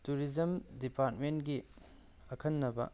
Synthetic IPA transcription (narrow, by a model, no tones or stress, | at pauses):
tuɾid͡ʒɐmdipaɾtmenɡi | ɐkʰɐnːɐbɐ̰